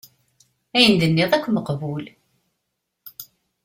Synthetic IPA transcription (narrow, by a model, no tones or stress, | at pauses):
æjənd̪ənːɪðˤækʷːməqvul